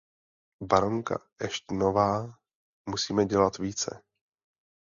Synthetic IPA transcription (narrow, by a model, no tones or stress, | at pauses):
baɾoŋka̰ʔɛʃt̪novaː | musiːmɛɟɛlat̪viːt͡sɛ̰